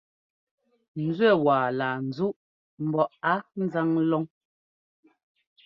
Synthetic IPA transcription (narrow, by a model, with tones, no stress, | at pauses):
n̩˨d͡zwɛ˦˨waː˨laː˨n̩˨zu˦ʔ | m̩˨bɔ˨ʔa˦n̩˦za˦ŋlɔ˦ŋ